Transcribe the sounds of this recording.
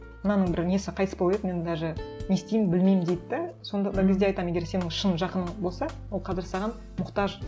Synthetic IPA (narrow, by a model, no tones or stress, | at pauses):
mənɑnəɴbɪɾne̞sɪqʰɑjt̪əspoed̪me̞nt̪ʰæʒɪne̞st̪ejɪmbɪlmejɪmd̪ejt̪ɪd̪ɪso̞nd̪ɑd̪ɑɡʲɪzd̪e̞ɑjt̪ɑme̞ɡʲe̞ɾse̞nɪŋʃənʒɑqənəɴbo̞lˠsɑwo̞lˠqʰɑzɪɾɡʲsɑʁɑn | mʊqt̪ɑʒ